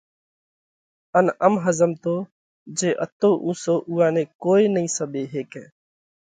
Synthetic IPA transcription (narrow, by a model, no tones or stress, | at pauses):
ənəmɦəzəmt̪oː | d͡ʒeːʔət̪oːʔũːsoːʔuːãːnẽːkoːeːnəĩːsəɓeːɦeːkɛ̃ː